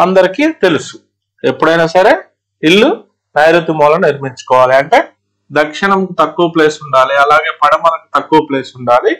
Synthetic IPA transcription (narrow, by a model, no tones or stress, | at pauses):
ɐnd̪ɐɾikiːt̪e̞lusu̥ | e̞pːuɽɐjnaːsɐɾeː | iɭːu | nɐjɾut̪ːimɔːlɐmniɾmiɲt͡ʃu̥kɔːʋaːliɐɳʈe̞ː | d̪ɐkʂiɳɐmkut̪ɐkːuɐple̞ːsuɳɖaːliɐlaːɡe̞ːpɐɽɐmɐnɐku̥t̪ɐkːuːɐple̞ːsuɳɖaːli